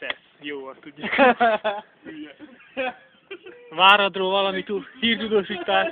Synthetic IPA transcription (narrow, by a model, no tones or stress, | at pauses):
t̪ɛs | joːvɒt̪uɟːak | vaːɾɒd̪roːvɒlɒmit̪usiːrt̪ud̪oːʃiːt̪ːaːʃ